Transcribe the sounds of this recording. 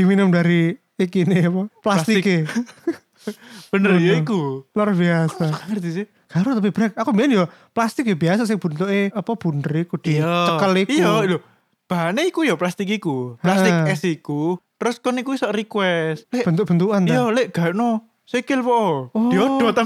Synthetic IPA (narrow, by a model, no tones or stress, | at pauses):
d̥iminʊmdaɾi | ikineapɔplasst̪ike | b̥ənəɾjɔikulərbiasakaŋərd̪ise | ɡ̥aɾʊt̪ap̬ib̥ɾɛk̚akumbianjɔ | plast̪ɪk̬jɔbias̬as̬ɪŋb̥ṳnt̪uʔeapɔb̥ṳnəɾikud̥it͡ʃəkəlikjɔjɔ | b̥aɦaneikujɔplast̪ikikulast̪ɪɛsikut̪ɾʊskɔnikuisɔʔrikwɛst̪leb̥ənt̪uʔb̥ənt̪uanjɔleʔɡ̥aɾno | sekɪlpɔʔɔɔiodɔt̪a